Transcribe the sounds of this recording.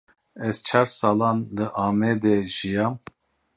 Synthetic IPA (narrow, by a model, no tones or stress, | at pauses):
ɛz̥t͡ʃʰɑːɾsɑːlɑnlɨʔɑːmɛd̪eʒijɑm